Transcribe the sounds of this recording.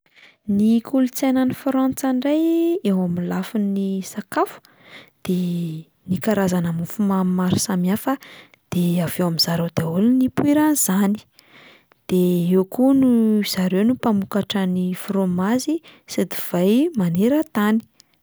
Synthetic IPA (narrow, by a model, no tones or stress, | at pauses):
nikʰulut͡sajnanifɾɔnt͡saɳɖ͡ʐajewamilafinisakafu̥ | d̪̥e | nikaɾazanamufumamaɾi̥samiafə | d̪̥eav̥ewamiz̥aɾod̪̥aulunipuiɾaniz̥ani̥ | d̪̥eewkunuz̥aɾewnupamukaʈ͡ʂənifromazised̪iv̥ajmaneɾət̪ani̥